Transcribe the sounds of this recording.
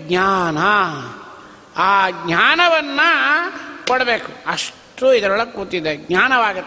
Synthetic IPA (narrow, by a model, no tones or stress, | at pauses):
ɡɲaːnɐ | aːɡɲaːnɐʋɐnːɐ | kɔɽɐbe̞ːkuɐʂ | ʈuid̪ɐɾɐɭɐkuːt̪id̪eɡɲaːnɐʋaːɡut̪ː